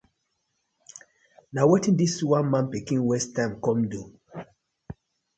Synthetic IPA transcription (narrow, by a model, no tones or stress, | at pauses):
nawetĩndiswãnmãnpikĩnwɛstãɪmkɔ̃mdu